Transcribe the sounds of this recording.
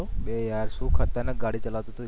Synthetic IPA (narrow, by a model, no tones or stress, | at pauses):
oɓejaɾsũːkʰat̪ənəɡaɽit͡ʃəlaʋt̪ot̪o